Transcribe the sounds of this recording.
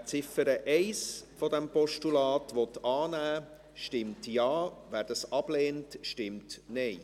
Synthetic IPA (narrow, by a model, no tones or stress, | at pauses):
t͡sɪfəɾəʔɛɪsfɔdɛmpɔʃtulɑːtʋɔtɑːnæː | ʃtɪmtjɑːʋæːɾd̥ɑsɑb̥leːntʃtɪmtnɛɪ